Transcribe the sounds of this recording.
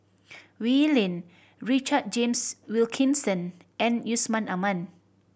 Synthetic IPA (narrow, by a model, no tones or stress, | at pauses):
wilɛ̃n | ɹit͡ʃad̚d͡ʒẽmswilkʰĩnsə̃nɛ̃njusmãnamãn